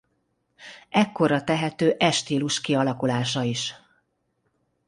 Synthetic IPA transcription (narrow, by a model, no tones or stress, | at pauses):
ɛkːo̞rɒt̪ɛɦɛt̪øːʔɛʃt̪iːluʃkiɒlɒkulaːʃɒiʃ